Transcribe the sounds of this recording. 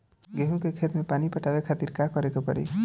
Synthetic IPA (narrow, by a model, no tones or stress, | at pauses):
ɡeɦũkekʰet̪mepanipəʈawekʰat̪iɾkakɔɾekopəɾḭ